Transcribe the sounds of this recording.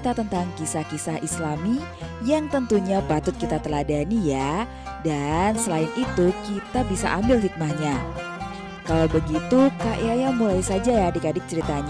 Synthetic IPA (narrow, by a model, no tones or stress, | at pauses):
t̪at̪ənt̪aŋkisahkisahʔislamijaŋt̪ənt̪uɲapat̪ʊt̪̚kit̪at̪əladanija | dansəlaɪnit̪ukit̪abisa̰ʔambɪlɦik̚mahɲa | kalabəɡit̪ukaʔjajamulajsad͡ʒajadikadɪk̚t͡ʃəɾit̪aɲ